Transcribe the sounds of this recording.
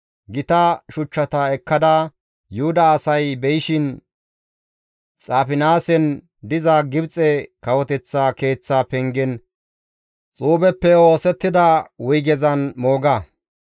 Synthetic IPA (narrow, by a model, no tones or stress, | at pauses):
ɡɪt̪ɐʃʊt͡ʃːɐt̪ɐɛkːɐd̪ɐ | jʊhʊd̪ɐːsɐjbɛjɪʃɪn | t͡sʼaːfɪnaːsɛn | d̪ɪzaɡɪbt͡sʼɛkɐwɔt̪ɛt͡sːaːke̞ːt͡sːapɛŋɡɛn | t͡sʼuːbɛpːɛo̞ːsɛt̪ːɪd̪ɐwʊjɡɛzɐnmo̞ːɡɐ